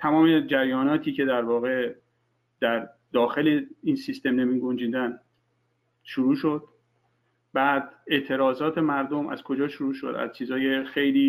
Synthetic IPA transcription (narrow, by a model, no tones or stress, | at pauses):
t̪ʰæmɒːmed͡ʒæɾjɒːnɒːt̪ʰiːce̞d̪æɾvɒːɣe̞ | d̪̥æɾ | d̪̥ɒːxe̞leiːnsist̪e̞mnemiːɡo̞nd͡ʒiːd̪æn | ʃuɾuːʃo̞d̪̥̚ | bæːd̪e̞ʔt̪ʰe̞ɾɒːzɒːt̪ʰe̞mæɾd̪o̞mæ̰z̥kʰo̞d͡ʒɒːʃuɾuːʃo̞̰d̪æ̰zt͡ʃʰiːzɒːje̞xe̞jliː